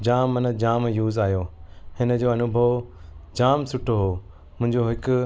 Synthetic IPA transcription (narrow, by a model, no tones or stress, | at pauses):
d͡ʑaːmːɐnəd͡ʑaːmjuːzaːjoːhɪnə̆d͡ʑoːɐnʊbʱəʋd͡ʑaːmsʊʈʰoɦoː | mʊ̃ɦɪ̃ɲd͡ʑoɦɪkʊ